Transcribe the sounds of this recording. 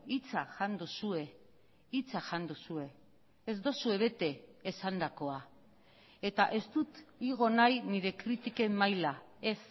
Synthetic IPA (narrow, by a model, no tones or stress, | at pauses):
it͡saʝand̪usue̞ | it͡saʝand̪usue̞ː | zd̪o̞sue̞β̞e̞t̪e̞ːsand̪ako̞a | e̞t̪aʔe̞st̪ut̪iɣ̞o̞najniɾe̞kɾit̪ike̞mːajla | e̞s